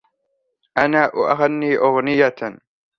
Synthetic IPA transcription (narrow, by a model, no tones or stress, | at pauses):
ʔanaːʔʊʔaɣanːiːʔʊɣnɪja